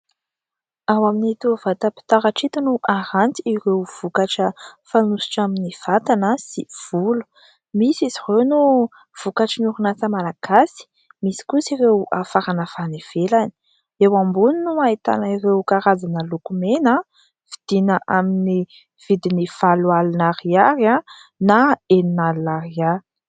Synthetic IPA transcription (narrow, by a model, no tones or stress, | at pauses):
awaminit̪uvat̪əpi̥t̪aɾaʈ͡ʂit̪unuʔaɾant̪iiɾewv̥ukaʈ͡ʂəfanusu̥ʈ͡ʂaminiv̥at̪anəsiv̥ulu̥ | misizirewnu | v̥ukaʈ͡ʂənuɾunat͡səmalaɡ̥asi̥ | misi̥kusiɾewʔafaɾanəfanev̥elani̥ | ewambuninuait̪a̰nəirewkaɾad͡zanəlukumena | v̥id̪̥inəʔamini | v̥id̪inifalualinaɾiaɾã | naeninalnaɾia